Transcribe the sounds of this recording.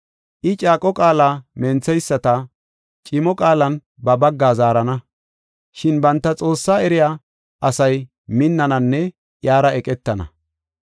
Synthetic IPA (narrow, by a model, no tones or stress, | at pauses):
ʔɪt͡ʃʼaːkʼɔkʼaːlaːmɛnt͡sːɛjsːɐt̪ɐ | t͡ʃʼɪmɔkʼaːlɐn | bɐbɐɡːaːzaːɾɐnɐ | ʃɪnbɐnt̪ːɐt͡sʼo̞ːsːaːɛɾɪjaː | ʔɐsɐj | mɪnːɐnɐnːɛ | jaːɾɐɛkʼɛt̪ːɐnɐ̰